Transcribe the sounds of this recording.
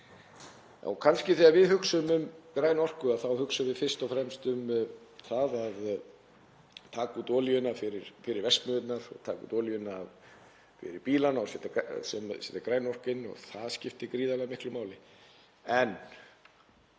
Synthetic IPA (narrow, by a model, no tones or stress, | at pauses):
a̰wkʰanscɪθɛavɪðhʏksʏmʏmkɾaːjnɔr̥kʏaðθawhʏksʏvɪðfɪr̥st̪ɔwfɾɛmst̪ʏmθaðað | t̪ʰaːkut̪ɔːljʏnafɪɾɪɾ̥fɪɾɪɾvɛskmʏðɪt̪naɾɔ̰ɣt̪ʰaːkṵt̪ɔːljʏna | fɪ̰ɾɪɾpiːlanaɔsɛt̪asɛmsɛt̪akɾaːjnɔr̥kɪnːɔ̰ɣθaðscɪft̪ɪkɾiːðalɛɣmɪhklʏmaːwlɪ | ɛn